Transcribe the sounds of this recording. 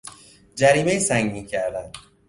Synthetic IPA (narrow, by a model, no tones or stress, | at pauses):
d͡ʒæɾiːmejisæŋɡiːcʰæɾd̪æn̥